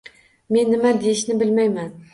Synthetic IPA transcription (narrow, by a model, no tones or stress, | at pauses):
me̞nːɪmad̪ejɪʃnɪbɪlmajman